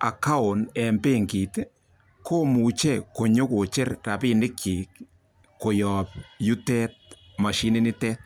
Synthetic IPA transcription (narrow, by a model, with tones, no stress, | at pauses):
a̰˨ka˦o˨nɛ˨mpe˦ŋɡi˨t | kʰo˦mu˨t͡ʃɛ˦ko˨ɲo˦ko˨t͡ʃe˦rɾa˨pi˦nɪ˦kʰi˨k | kːo˨jɔ˨p̚ju˦tɛ˦t̚ | ma˨ʃi˦nɪ˦nɪ˦tɛ˦t̚